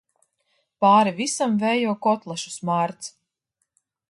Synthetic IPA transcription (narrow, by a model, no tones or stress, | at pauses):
paːɾivisamvɛjɔːkɔt̪lˠaʃu̥smaːɾt̪s